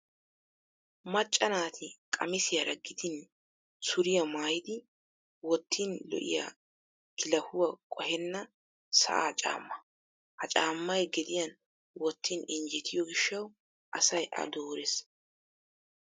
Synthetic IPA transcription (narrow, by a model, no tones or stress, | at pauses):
mɐt͡ʃʼːɐnaːt̪ʰɪkʼɐ̰mɪsɪjɐɾɐɡːɪd̪ɪn | sʊɾɪjɐmaːjɪd̪ɪ | wɔt̪ʰːiːnlɔ̰ʔɪ̰ja̰ | kɪlɐhʊwɐkʼɔhɛnːɐ | sɐ̰ʔa̰t͡ʃʼa̰ːmːɐ | hɐt͡ʃʼaːmːɐjɡɛd̪ɪjɐn | wɔt̪ːiːnɪnd͡ʒɛt̪ʰɪjɔɡɪʃːɐw | ʔɐsɐjʔɐ̰d̪oːɾɛs